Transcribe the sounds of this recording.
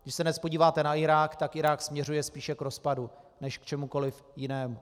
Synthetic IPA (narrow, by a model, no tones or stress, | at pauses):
ɡdɪʃsɛdnɛspo̞ɟiːvaːt̪ɛnaɪɾaːkt̪akʔɪɾaːksmɲɛrujɛspiːʃɛkɾo̞spadunɛʃkt͡ʃɛmuko̞lɪf | jɪnɛːmu